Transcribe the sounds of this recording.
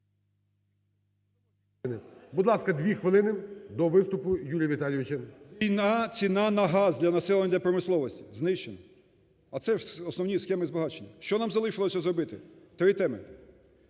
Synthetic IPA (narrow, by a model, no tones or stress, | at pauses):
nɪbud̪lˠɑskɐd̪ʲʋʲixʋɪlˠɪnɪd̪ɔʋɪst̪ʊpʊjuɾʲjɐʋʲit̪ɑlʲijʋʲɪt͡ʃɐinat͡sʲinɑnɐɦɑzd̪ʲlʲɐnɐsɛlˠenʲɐd̪lʲɐpɾɔmɪslˠɔʋɔsʲtʲiznɪʃt͡ʃenɔ | ɐt̪sɛʐɔsnɔwnʲisxɛmɪzbɐɦɑt͡ʃenʲːɐʃt͡ʃɔnɑmzɐlˠɪʃɪlˠɔsʲɐzɾɔbɪt̪ɪt̪ɾɪt̪ɛmɪ̰